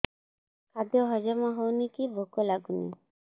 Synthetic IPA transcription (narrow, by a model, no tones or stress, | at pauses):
kad̪jɔɦɔd͡ʒamaɦownikibʱokɔlaɡunḭ